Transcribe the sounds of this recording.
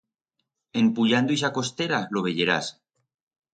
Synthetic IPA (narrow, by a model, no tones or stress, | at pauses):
e̞mpuʎand̪uis̬ako̞st̪eɾaloβ̞e̞ʎeɾa̰s